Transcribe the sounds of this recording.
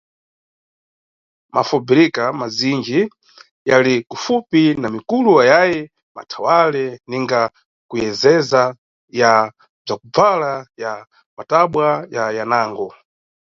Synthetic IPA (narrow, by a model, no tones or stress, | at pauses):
mʔafɔbiɾikamazind͡ʒi | jalikufupinamikuluwajajɛ | ma̰tʰawalɛniŋɡa | kujɛzɛza | ja | b͡ʐakub͡valaja | mataɓwajajanaːŋɡɔ